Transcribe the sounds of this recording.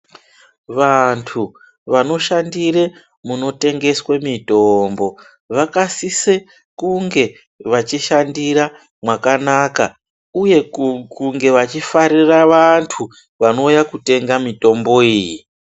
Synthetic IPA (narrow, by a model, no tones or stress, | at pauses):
ʋantʰu | ʋano̞ʃandire | muno̞te̞ŋɡe̞swemito̞mbo̞ | ʋakasise | kuŋɡe̞ | ʋat͡ʃiʃandiɾa | mwakanaka | uje̞kuŋɡe̞ʋat͡ʃifaɾiraʋantʰu | ʋano̞ujakute̞ŋɡamito̞mbo̞iːji